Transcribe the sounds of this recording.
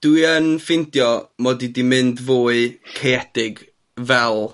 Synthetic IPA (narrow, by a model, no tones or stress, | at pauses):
d̥wiənfɪndjɔmɔdidimɨndvoːɨɬʰejɛd̥ɪɡ | vɛlˠ